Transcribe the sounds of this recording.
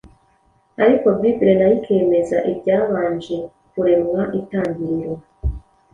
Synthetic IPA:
aɾiko̞bibɾenajikʰe̞ːmezaʔibɟaːβaːɲd͡ʒi | kuɾe̞mwaʔitaːɲbiɾiɾwa

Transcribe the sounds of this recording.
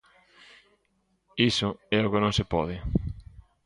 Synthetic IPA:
isʊɛokɪnõŋsepɔðɪ

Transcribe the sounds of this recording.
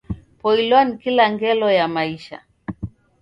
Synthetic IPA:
pɔilɔnikilaŋɡɛlɔjamaiʃa̰

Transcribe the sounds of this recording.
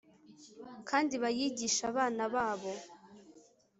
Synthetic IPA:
kʰaːndiβajiːɟiʃaβaːnaβaːβo̞

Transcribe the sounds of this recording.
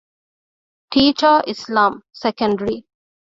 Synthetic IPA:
ʈʰiːt͡ʃəɪslãːmsɛkə̃ɳɖəɾi

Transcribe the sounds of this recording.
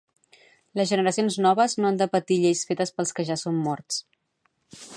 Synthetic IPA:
ləzʒənəɾəsionznɔβəznoand̪əpət̪iʎejsfet̪əspəlˠskəʒasomːɔrt͡s

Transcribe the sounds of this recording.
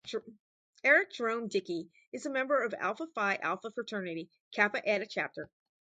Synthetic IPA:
ɛɹɨk̚d̥ɹõʊ̃mdɪki | ɨzɨmɛ̃mbə˞ʌvæ̰lˠfəfaɪʔæ̰lˠfəfɹətʰɜ˞nɨɾi | kʰæpɨʔɛɾɨt͡ʃʰæp̚tə˞

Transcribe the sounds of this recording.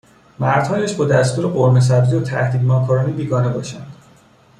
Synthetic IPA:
mæɾd̪̥hɒːjæʃbɒːd̪æst̪uːɾeɢoɾmes̬æbziot̪ʰæ̰hd̪iːd̪mɒːkʰɒːɾɒːnibiːɡɒːne̞bɒ̰ːʃænd̪̥

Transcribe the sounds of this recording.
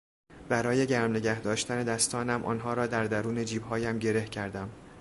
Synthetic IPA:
b̥æɾɒːje̞ɟæɾmne̞ɟæhd̪ɒːʃt̪æne̞d̪æst̪ɒːnæmʔɒ̰ːnɦɒːɾɒːd̪æɾd̪æɾuːne̞d͡ʒiːbhɒːjæmɟe̞ɾe̞hcʰæɾd̪æm

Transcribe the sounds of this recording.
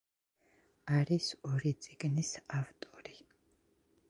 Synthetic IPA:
aɾisɔɾit̪sʼiɡnisavt̪ʼɔɾi

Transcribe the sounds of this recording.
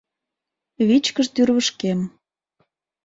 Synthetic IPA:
βit͡ɕkəʃt̪yrβəʃkem

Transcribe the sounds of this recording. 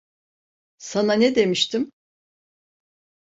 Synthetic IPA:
sananɛd̪e̞miʃt̪ʰim

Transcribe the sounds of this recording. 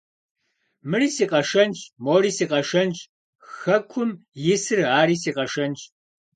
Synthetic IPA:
mɨriːsiːqʼɐʂɐnt͡ʃʼmoːɾiːsiːqʼɐʂɐnt͡ʃʼ | xɐkʷʰʊmjɪsɨraːɾiːsiːqʼɐʂɐnt͡ʃʼ

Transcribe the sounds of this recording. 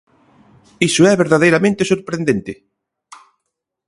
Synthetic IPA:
isʊɛβeɾðaðejɾamẽnt̪esoɾpɾẽnd̪ent̪ɪ

